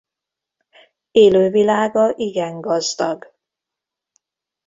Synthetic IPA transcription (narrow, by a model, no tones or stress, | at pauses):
eːløːvilaːɡɒʔiɡɛŋɡɒzd̪ɒɡ